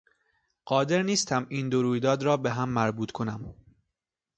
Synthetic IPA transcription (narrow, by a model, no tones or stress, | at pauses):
ɢ̥ɒːd̪e̞ɾniːst̪ʰæmiːnd̪oɾuːjd̪ɒːd̪ɾɒːbeɦæmːæɾbuːt̪ʰkʰo̞næm